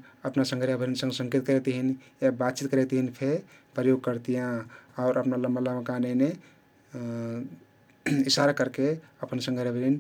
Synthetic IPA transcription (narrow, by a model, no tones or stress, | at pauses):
əpnasə̃ŋɡʱəɾjabʱəɾinsə̃ŋɡsə̃ŋkit̪̚kəɾet̪ɦin | jabat̪̚t͡ʃit̪̚kəɾɛt̪ɦinpʰe | pɾəjoɡ̚kəɾt̪ijãaʊɾəpnaləmalamkanene | isaɾakəɾke | əpənsə̃ŋɡʱəɾjabʱəɾin